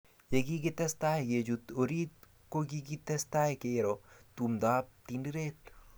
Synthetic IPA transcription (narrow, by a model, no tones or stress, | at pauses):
jeɡiɡit̪ɐst̪aːejed͡ʒut̪oɾit̪ | koɡiɡit̪est̪aːekeeɾot̪umd̪aːp̚t̪iniɾeːt̪